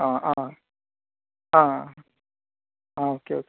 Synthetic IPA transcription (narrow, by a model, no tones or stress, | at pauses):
ãʔã | ãã | ãokeok